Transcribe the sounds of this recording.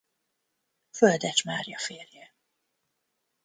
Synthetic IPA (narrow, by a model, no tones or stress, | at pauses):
føld̪ɛt͡ʃmaːrjɒfeːrjɛ